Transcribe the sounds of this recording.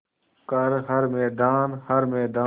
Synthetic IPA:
kəɾɦəɾmɛːd̪aːnhəɾmɛːd̪aː

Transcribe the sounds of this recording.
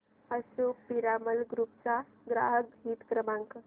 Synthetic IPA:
əsupiɾaməlɡɾupt͡ʃa | ɡɾa̰ːɦəkɦiːt̪kɾəmãŋkə

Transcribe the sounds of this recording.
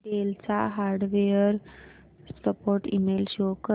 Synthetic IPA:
ɖelt͡saɦaɾɖʋejəɾ | səpoɾʈimelɕokə

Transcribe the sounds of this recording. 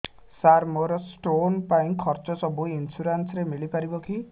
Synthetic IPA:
saɾmoɾɔsʈonpaĩkʰɔɾt͡ʃɔsɔbuinsuɾansɾemiɭipaɾibɔkʰi

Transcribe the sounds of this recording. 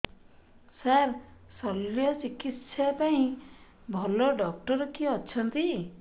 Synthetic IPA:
saɾ | sɔljɔt͡ʃikit̪ʃʰjapaĩ | bʱɔlɔɖɔk̚ʈɔɾkiɔtːʃʰɔnt̪i

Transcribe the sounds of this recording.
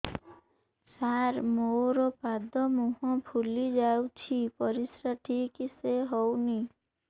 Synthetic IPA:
saɾmoɾɔpad̪ɔmuɦɔ̃pʰulid͡ʒawt͡ʃʰipɔɾisɾaʈʰikiseɦɔwni

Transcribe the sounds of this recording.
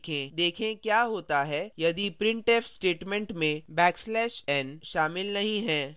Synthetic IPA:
kʰẽd̪eːkʰẽkjaːɦoːt̪aɦɛjɐd̪ipɾɪ̃ɳʈeːfsʈeːʈmɛ̃ɳʈmẽbɛːkslɛːʃɛnʃaːmɪlnɐɦĩɦɛ̃ː

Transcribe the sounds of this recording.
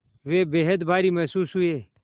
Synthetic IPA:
ʋeːbeːɦət̪bʱaːɾiːmɐsuːsɦʊeː

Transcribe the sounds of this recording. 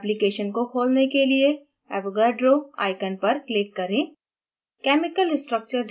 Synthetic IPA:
plɪkeːʃənkokʰoːlnekelie | ɛ̰ːbɡəɖɾoa̰ːɪkənpɐɾklɪkːɐɾẽː | kɛːmɪkəlɪsʈɾək̚t͡ʃəɾɖ

